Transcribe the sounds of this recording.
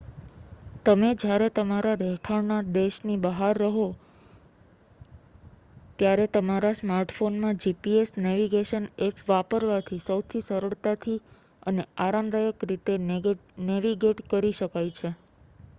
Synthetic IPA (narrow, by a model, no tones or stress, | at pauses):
t̪əmed͡ʒjaɾet̪əmaɾaɾɛʈʰaɾnad̪eʃnibəɦaɾːəɦo | t̪jaɾet̪əmaɾasmaɾʈfonmãd͡ʒipiesnɛʋiɡeʃənepʰʋapəɾʋat̪ʰisəwt̪ʰisəɾəɭt̪at̪ʰi | əneaɾamd̪ʱajəkɾit̪eneʋiɡeʈkəɾiʃəkajt͡ʃʰe